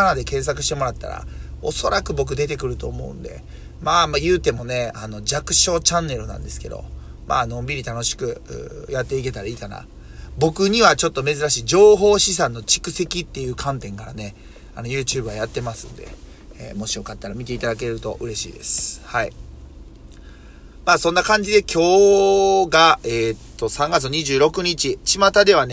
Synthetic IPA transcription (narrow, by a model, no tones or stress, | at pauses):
anad̪e̞kẽ̞ɰ̃s̬ak̬ɯ̟ɕi̥t̪e̞mo̞ɾat̪ːa̰ɾa̰o̞so̞ɾakɯ̟bo̞k̬ɯ̟d̪e̞t̪e̞k̬ɯ̟ɾɯ̟t̪o̞ːmo̞̰ɯ̰̃nd̪e̞̰ | maːmajɯ̟ːt̪e̞mo̞ne̞ano̞d͡ʑakɯ̟̥ɕo̞ːt͡ɕãnːe̞ɾɯ̟nã̰nd̪e̞sɨ̥ke̞d̪o̞̰ | mʔa̰ːnõ̞mbʲiɾʲit̪ano̞ɕi̥kɯ̟ɯ̰jat̪ːe̞ike̞t̪aɾaiːkana̰ | bo̞kɯ̟ɲ̟iβat͡ɕo̞t̪ːo̞me̞zɨɾaɕiːd͡ʑo̞ːɦo̞ːɕis̬ãnːo̞t͡ɕi̥kɯ̟se̞kʲit̪ːe̞jɯ̟ːkʰãnt̪ẽ̞ŋkaɾa̰ne̞ | ano̞jɯ̟ːt͡ɕɯːbɯ̟βajat̪ːe̞masɨ̰̃nd̪e̞̰ | ḛmo̞ɕijo̞kat̪ːaɾamʲit̪e̞it̪ad̪ak̬e̞ɾɯ̟t̪o̞ʔɯ̟ɾe̞ɕḭːd̪e̞̰sɨ̥hai | maːsõ̞nːakãɲ̟d͡ʑid̪e̞kʲʰo̞ː | ɡaeːt̪ːo̞sãŋɡat͡sɨɲ̟iʑɨːɾo̞kɯ̟ɲ̟it͡ɕit͡ɕimat̪ad̪e̞β̞ane